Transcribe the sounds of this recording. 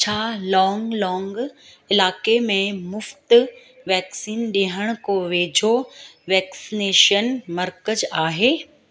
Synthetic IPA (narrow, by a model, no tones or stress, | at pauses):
t͡ɕʰaːlɔːŋɡlɔːŋɡ | ɪlaːkemẽmʊft̪ | ʋɛːksiːnɗeɦəɽ̃koʋeːd͡ʑʱoʋɛːksineːʃənmɐɾkəzaːɦeː